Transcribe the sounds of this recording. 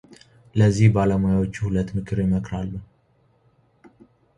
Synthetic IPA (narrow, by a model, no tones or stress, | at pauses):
ləzːihbaləmojawo̞t͡ʃːuhulət̪ːmɨkʰɨɾjɪməkɾalːu